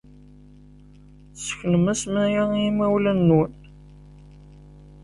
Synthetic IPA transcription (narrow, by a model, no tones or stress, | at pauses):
sə̥çnəmæsmæjimæwlənːun